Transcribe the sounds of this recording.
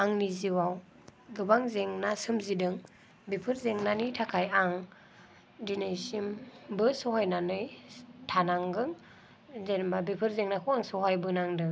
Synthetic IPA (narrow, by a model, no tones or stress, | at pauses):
aŋniziwaw | ɡɯbaŋzeŋnasɯmzidɯŋ | bipʰɯɾzeŋnanitʰakʰajaŋ | dinajsimbɯsɔɦajnanɯjtʰanaŋɡɯŋ | zenbabipʰɯɾzeŋnakʰuaŋsɔɦajbɯnaŋdɯŋ